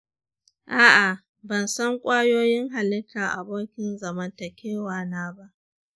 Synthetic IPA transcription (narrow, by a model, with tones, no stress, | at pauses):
ʔaː˦ʔa˨ | bɐ˨nsɐ˦ŋkʷʼaː˦joː˦jɪ˦ŋɦa˨lɪ˦kaː˨ʔa̰˨boː˦kʲɪ˨nzɐ˨mɐ˦ntɐ˨kʲeː˦waː˨naː˦ba˦ʔ